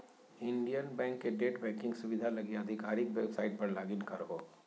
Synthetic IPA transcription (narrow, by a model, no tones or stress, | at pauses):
ɪ̃ɳɖijənbɛ̃ːŋkːeɖeːʈbɛ̃ːkɪ̃ŋɡsʊʋɪd̪ʱalɐɡiɐd̪ʱɪkaːɾɪkwebsaːɪʈ̚pɐɾlaːɡɪnkɐɾɦoː